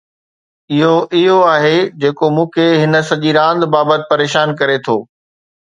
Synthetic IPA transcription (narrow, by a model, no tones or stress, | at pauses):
ɪɦoʔɪɦoaːɦed͡ʑeːkomũːkʰeɦɪnə̆sɐʄiɾãːnd̪baːbət̪ɪ̥̆pɐɾeːʃaːnkɐɾet̪ʰoː